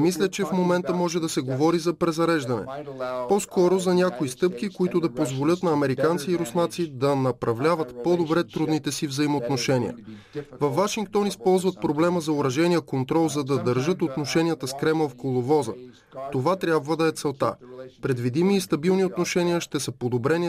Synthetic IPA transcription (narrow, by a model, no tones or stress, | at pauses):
mislʲət͡ʃɛfmomɛnt̪əmɔʒɛd̪ɐsɛɡovɔɾizɐpɾɛzɐɾɛʒd̪ɐnɛ̰pɔskɔɾozɐnʲakoist̪ɤp̚kikoit̪ʊd̪ɐpozvolʲɤt̪nɐːmɛɾikant̪siːɾʊsnat̪sid̪ɐnɐpɾɐvlʲavət̪pɔd̪obɾɛt̪ɾud̪nit̪ɛsivzɐimoːt̪noʃɛnʲḭə̰ | vɐfːaʃiŋk̚t̪ɔnispɔlˠzvət̪̚pɾoblɛməzɐʊɾɐʒɛnʲiəkont̪ɾɔlˠzɐd̪ɐd̪əɾʒɤt̪ot̪noʃɛnʲijət̪əskɾɛmlˠfkolˠovɔzə̰ | t̪ovat̪ɾʲjabvəd̪ɐɛt̪sɛlˠt̪a̰pɾɛd̪vid̪imiːst̪ɐbilˠniot̪noʃɛniəʃt̪ɛsəpod̪obɾɛni